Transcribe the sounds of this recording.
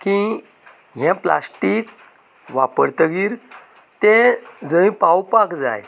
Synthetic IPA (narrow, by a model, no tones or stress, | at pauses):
kĩ | ɦãpla̰sʈik | ʋapəɾt̪əɡiːɾ | t̪ẽd͡zə̃ĩpawpakd͡za̰j